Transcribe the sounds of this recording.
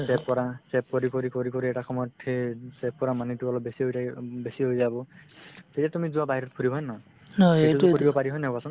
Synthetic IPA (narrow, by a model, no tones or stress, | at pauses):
sɛp̚kɔɹasɛp̚koɹikoɹikoɹikoɹɾiɛtakʰɔmɔjɔtʰisɛp̚kɔɹamanitualɔb̚besiɦojtʰabesiɦojzabɔtetiatumizũwabaɦiɾɔt̚pʰuɾibʱɔjnɔ̃ | ɔeukoɹibɔpaɹiɦɔjnɛbasɔn